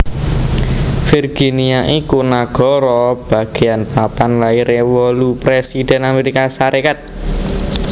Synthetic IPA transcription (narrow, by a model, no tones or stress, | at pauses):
firɡ̥iniaʔikunaɡ̥ɔ̤ɾɔb̥a̤ɡ̥e̤anpapanlaiɾewɔlupɾesid̪̥ɛ̤nameɾikasaɾʔekat̪̚